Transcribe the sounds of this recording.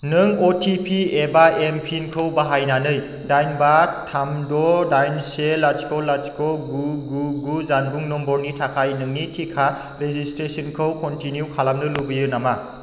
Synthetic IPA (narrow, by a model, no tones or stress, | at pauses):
nɯŋotʰipʰiebaempʰinkʰɯwbaɦajnanɯj | dajnbatʰamdɔdajnselad͡ʒkʰowlːat͡ʃkʰɔɡuɡuɡuzanbuŋnɔmbɔɾnitʰakʰajnɯŋnitʰikʰa | ɾezistɾesɯnkʰɯwkɔntinjukʰalamnɯlubijɯnama